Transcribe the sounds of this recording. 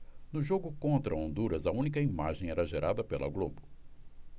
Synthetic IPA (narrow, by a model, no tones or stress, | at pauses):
nʊʒoɡʊkõnt̪ɾɐõnd̪uɾɐzɐũnikɐima̰ʒẽj̃ɛɾɐʒeɾad̪ɐpelɐ̰ɡlobʊ